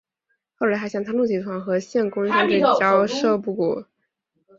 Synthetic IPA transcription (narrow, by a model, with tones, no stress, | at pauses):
xo˥˩ʊla˧˥xa˧˥ɪɕɑ˥˧˩ŋt̪ʰa˥lu˥˩t͡ɕi˨˩t̪ʰwa˧˥nxɤ˧˥ɕjɛ˥˩nkʊ˥ŋʂi˥ŋʈ͡ʂɤ˥˩˥t͡ɕjɑ˥ʊʂɤ˥˧pu˥˩kṵ˨˩